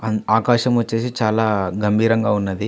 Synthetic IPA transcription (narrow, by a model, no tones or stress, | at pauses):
ɐaːkaːʃɐmʋɐt͡ʃːe̞ːs̬it͡ʃaːlaːɡɐmbʱiːɾɐŋɡaːunːɐd̪i